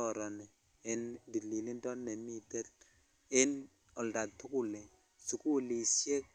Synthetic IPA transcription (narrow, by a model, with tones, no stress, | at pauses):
ɔ˨ɾɔ˨nɛ˨ | ɛ˨˦ndi˨li˨li˦ntʼɔ˦ne˨mi˦tɛ˦l | ɛ˦n | ɔ˨lda˨tʰu˦ku˨lɛ˨ | su˨ku˦li˨sɛ˦